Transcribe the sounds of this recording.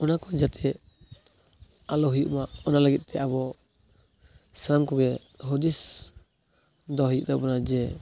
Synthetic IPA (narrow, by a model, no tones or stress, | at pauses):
ɔnakɔd͡ʒat̪ʰɛ | alɔɦujuʔmaɔnalaɡit̪̚t̪ɛaβɔ | saɾamkɔɡɛɦɔd̪is | d̪ɔhujuʔd̪ɔbɔnad͡ʒɛ